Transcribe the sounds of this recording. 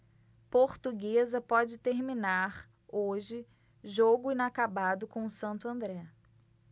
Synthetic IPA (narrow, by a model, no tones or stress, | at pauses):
poɾt̪uɡezɐpɔd͡ʒɪt̪eɾminaɾ | oʒɪ | ʒoɡʊĩnakabad̪ʊkõʊsɐ̃nt̪ʊɐ̃nd̪ɾɛ